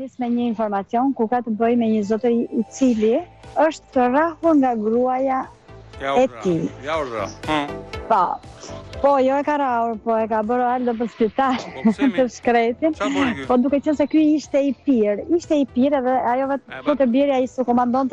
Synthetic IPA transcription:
ismɛɲəinfɔɾmat͡sjɔnkuɾkat̪əbəjmɛɲəzɔt̪əɾit͡siliəʃt̪ərahuɾŋɡaɡɾuaja | ɛt̪i | pa | pɔjɔɛkaɾauɾpɔɛkabəɾaɾd̪ɔp̬əɾspit̪altp̪əʃkɾɛt̪inpɔd̪ukɛt͡ʃɛnsɛkyiʃt̪ɛipiɾiʃt̪ɛipiɾɛðɛajɔvɛt̪pɔt̪əbɛɾjaist̪əkɔmand̪ɔnt̪

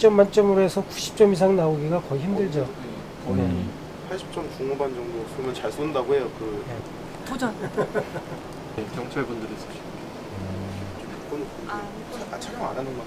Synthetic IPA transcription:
t͡ɕ͈ʌmːant͡ɕ͈ʌmɯɾoesʰʌkuɕʰi̥p̚t͡ɕ͈ʌmis̬ʰaŋnaoɡiɡakʌiçimdɯɭd͡ʑo | ne | pʰaɭɕ͈ʰi̥p̚t͡ɕ͈ʌmkuŋmoband͡ʑʌŋdos͈ʰomʌnt͡ɕaɭs͈ondaɡoɦe̞jokɯje | od͡ʑʌn | ekjʌŋt͡ɕʰaɭbundɯɾis͈ʰaɕʰi | e | t͡ɕ͈omik͈onɯ | ɡʌnekat͡ɕʰaɾʌŋa̰nanɯna

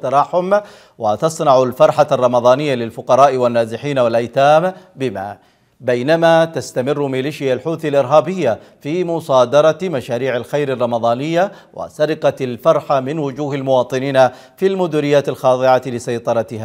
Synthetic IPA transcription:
t̪ːɑɾˤɑːħʊm | wat̪ɑsˤnɑʕalfɑɾˤħarˤːɑmɑðˤɑːnɪjːalɪlfʊqɑɾˤɑːʔwanːaːzɪħiːnawalʔajt̪aːmbɪma̰ | bajnamat̪ast̪amɪrːmɪliːʃɪjːalħuːθalʔɪɾɦaːbɪjːa | fiːmʊsˤɑːd̪ɑɾˤɑmaʃaːɾiːʕalxajɾɑrˤːɑmɑðˤɑːnɪjːa | wʔa̰saɾɪqɑlfɑɾˤħamɪnwʊd͡ʒuːɦalmʊwɑːt̪ˤɨniːna | filmʊd̪ʊɾɪjːaːt̪alxɑːðˤɨʕalɪsajt̪ˤɑɾˤɑt̪ɪhaː

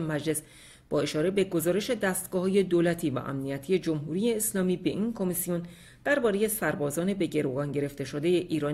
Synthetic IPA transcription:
emæd͡ʒle̞s | b̥ɒːe̞ʃɒːɾe̞be̞ɡo̞zɒːɾe̞ʃe̞d̪æːst̪ɡɒːɦɒːje̞d̪oːlæt̪ʰiːvæ̰ʔæ̰mnijæt̪ʰije̞d͡ʒomɦuɾiːje̞ːslɒːmiːbe̞ʔinkʰo̞misijon | d̪̥æɾbɒːɾe̞je̞sæɾbɒːzɒːne̞be̞ɟe̞ɾoɡɒːnɟe̞ɾe̞ft̪e̞ʃod̪e̞jeʔiːɾɒː

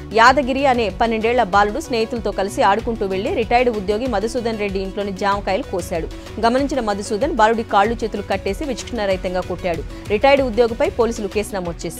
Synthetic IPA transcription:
jaːd̪ɐɡiɾiɐne̞ːpɐnːeɳɖɛːɭːɐbaːluɽusneːjit̪ulɐt̪o̞ːkɐlisiaːɽukuɳʈuːʋe̞ɭːiɾiʈɐjɖud̪jo̞ːɡimɐd̪ʱusuːd̪ʱɐnɾe̞ɖːiːɳʈlo̞ːnid͡ʒaːmɐkɐːjɐlukoːsaːɽu | ɡɐmɐniɲt͡ʃinɐmɐd̪usuːd̪ʱɐnbaːluɽikaːɭːut͡ʃeːt̪ulukɐʈːe̞ːsiʋit͡ʃɐ̥kʂɐnɐɾɐjt̪ɐŋɡaːkoʈːaːɽu | ɾiʈɐjɖud̪joːɡɐpɐjpo̞ːliːsuluke̞ːsinɐmoːd̪̚t͡ʃeːs

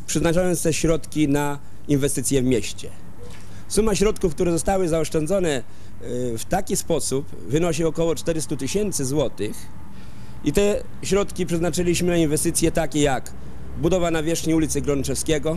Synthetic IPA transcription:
pʂɛznat͡ʂajɔnt̪st̪ɛɕɾɔt̪kʲina | invɛst̪ɘt̪sʲjɛvmʲjɛɕt͡ɕɛ | sumaɕɾɔt̪kufk̚t̪uɾɛzɔst̪awɘzaɔʂt͡ʂɛnd̪zɔnɛ | ft̪akʲispɔsup | vɘnɔɕ̬iɔkɔwɔt͡ʂt̪ɛɾɘst̪ut̪ɘɕɛnt̪sɘzwɔt̪ɘx | it̪ɛ | ɕɾɔt̪kʲipʂɛznat͡ʂɘlʲiɕmɘnainvɛst̪ɘt̪sʲjɛt̪akʲɛjak | bud̪ɔvanavʲjɛʂxɲiulʲit̪sɘɡɾɔnt͡ʂɛfskʲɛɡɔ

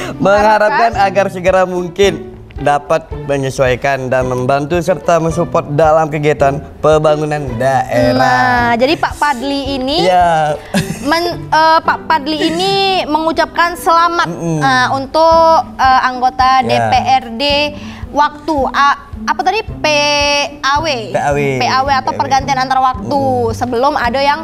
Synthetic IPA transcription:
məŋhaɾakanaɡarsəɡəɾamuŋkɪn | dapat̪̚məɲəsuajkandanməmbant̪usərt̪aməsupɔt̪̚dalamkəɡiat̪an | pəbaŋunandaʔeɾaad͡ʒadipaʔpadliːnija | mənəpaʔpadliːniməŋut͡ʃap̚kansəlamat̪əunt̪ʊkəaŋɡot̪adepeʔɛrdewak̚t̪ua | apat̪adipe | awepeawepeaweat̪awpərɡant̪ianant̪aɾawak̚t̪usəbəlʊmadajaŋ

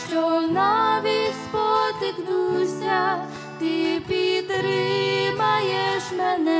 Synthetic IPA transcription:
ʃt͡ʃɔnaʋʲispɔt̪ɪknusʲa | t̪ɪpʲit̪ɾɪmajɛʃmɛnɛ

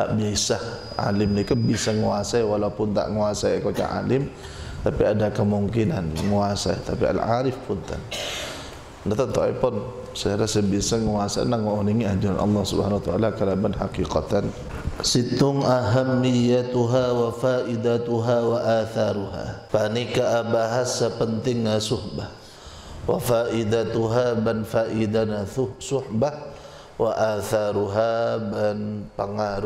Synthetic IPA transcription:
a̰ʔbiaisah | ʔa̰lɪmdikabisaŋuasajwalapʊnt̪a̰ʔŋuasaikot͡ʃa̰ʔa̰lɪm | t̪apiadakəmuŋkinanŋuasait̪apia̰lʕa̰ɾɪfpʊnt̪a̰n | ndat̪ant̪ɔa̰jpɔn | sakaɾasabisaŋuasa̰naŋaniŋiad͡ʒuɾanʔɑ̰lˤːɑhsubhanawat̪aʔalakəlabanħakiqat̪an | sit̪ʊŋaɦamːijat̪uɦawafaʔid̪at̪uɦawaʔaθaɾuɦa̰panikaʔabaɦasəpənt̪ɪŋːasʊhbah | wa̰faʔid̪at̪uɦabanfaʔid̪anaʊsʊhbah | wa̰ʔaθaɾuɦabanpəŋaɾu

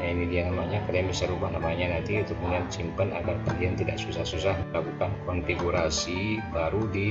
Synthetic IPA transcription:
jainidianamaɲakaliaŋbisaɾubahnamaɲanant̪iunt̪ʊk̚məniat̪simpənaɡarkaliant̪ida̰ʔsusahsusahəlakukankɔnfiɡuɾasibaɾudi

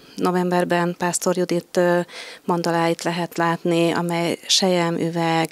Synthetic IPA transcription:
no̞vɛmbɛrbɛnpaːst̪o̞rjud̪it̪ː | mond̪ɒlaːjit̪lɛɦɛt̪laːt̪niɒ̰mɛjʃɛjɛmʔy̰vɛɡ

